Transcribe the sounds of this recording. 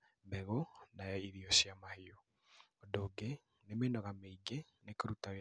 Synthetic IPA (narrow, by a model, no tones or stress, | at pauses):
mbɛɣonajɔiɾiɔɕijamaheo | ɔdoːɡe | nemenɔɣameiɡe | nekoɾutaɣ